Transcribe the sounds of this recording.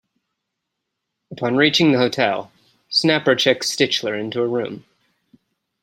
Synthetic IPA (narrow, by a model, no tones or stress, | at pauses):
əpʰɑ̃nɹit͡ʃɪ̃ŋðɨhoʊtʰɛ̰lˠ | snæpə˞t͡ʃʰɛk̚stɪt͡ʃlə˞ɪ̃ntʉəɹʉ̰̃m